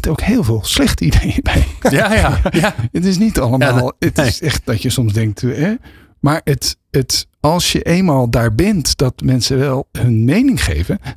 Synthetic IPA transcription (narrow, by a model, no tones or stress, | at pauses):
towkhɪːlˠvɪːlˠslɛχtidejiːbɛj | ətɪsnitɑləmaːlˠətɪsɛχt̚dɑtjəsɔmzdɛŋk̚tɛ | maːɹət | ət | ɑlˠsjəʔejnmaːlˠdaːɹbɛntd̥ɑtmɛnsəʋɛlˠɦɵnmejnɪŋχḛjvən